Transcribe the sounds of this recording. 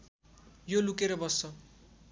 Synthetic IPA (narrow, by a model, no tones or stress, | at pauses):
jolukeɾʌbʌsʌ